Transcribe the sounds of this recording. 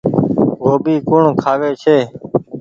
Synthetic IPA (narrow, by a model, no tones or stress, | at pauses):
ɡoːbiːkʊɳkʰaːʋeːt͡ʃʰeː